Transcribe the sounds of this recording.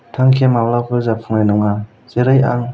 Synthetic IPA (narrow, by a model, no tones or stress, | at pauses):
tʰaŋkʰemawlapʰɯzapʰɯŋnajnɯŋa | z̥eɾɯja̰ŋ